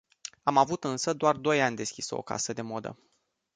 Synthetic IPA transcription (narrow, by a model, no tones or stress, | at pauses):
amavut̪ɨnsəd̪oard̪o̞janʲd̪e̞skʲiso̞̰ka̰səd̪e̞mo̞d̪ə̰